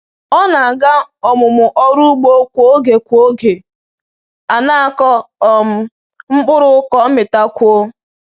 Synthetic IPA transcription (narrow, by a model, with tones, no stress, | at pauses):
ɔ˦na˨a˨ɡa˦ɔ˨mʊ˨mʊ˨ʔɔ˦ɾu˦ɡ͡bo˦kʷo˦ɡe˨kʷo˦ɡe˨ | a˨na˦a˦kɔ˦ɔ˨m̩˨ | ŋ͡m̩˦ɡ͡bʊ˦ɾʊ˦kɔ˨˦mɪ˨ta˦kʷo˦